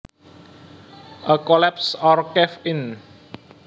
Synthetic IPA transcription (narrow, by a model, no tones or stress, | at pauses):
ʔəkɔlɛpsɔrkɛfɪn